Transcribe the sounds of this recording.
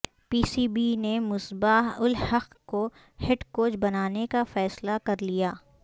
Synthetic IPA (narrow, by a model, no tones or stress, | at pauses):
piːsiːbinemʊsbaɦʊlhɐq | ko | hɪɖkoːd͡ʒbɐnaːnekafɛːslakɐɾlijaː